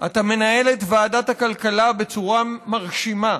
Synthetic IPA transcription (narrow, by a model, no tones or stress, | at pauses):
ʔa̰t̪ame̞nae̞letvaːdathakalkalabe̞t͡suʁamaʁʃima